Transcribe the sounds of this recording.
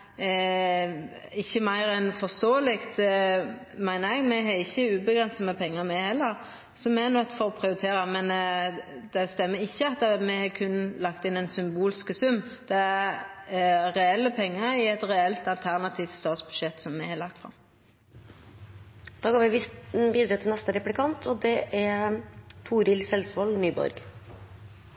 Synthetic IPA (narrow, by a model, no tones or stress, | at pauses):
ɪçːəmæɪɾɛnfɔʁst̪oːəlɪkt̪ | mæɪnəɛɡmɛɦɛɾɪçːəʉːbəɡɾʁɛnsəməpʰɛŋːəɾmɛhɛlːəɾ | sɔmɛnœt̪ːfɔɾɔpʰʁɪʊɾɪt̪ʰeːɾɑmɛn | d̪̥ɛst̪ɛmːəɾɪçːəɑt̪ːmɛhɑkʰʉnːlɑkt̪ɪnɛɪnsʏmbuːlskəsʉmːd̪̥ɛæ | ʁɛɛlːəpʰɛŋːəɪɛt̪ʁɛɛlt̪ɑlt̪ʰæʁnɑt̪ʰiːft̪st̪ɑːt̪sb̥ʉd̪ʃɛt̪sɔmːɛhɑlɑk̚t̪fʁɑ̰m | d̪̥ɑːɡoːʋɪbiːd̪ɾɑːt̪ʰɪlnɛst̪əɾɛplɪkʰɑnt̪ʰɔd̪ɛʔæɾt̪ʰuːɾɪlsɛlsʋɑlnyːbɔ̰ɾɡ̥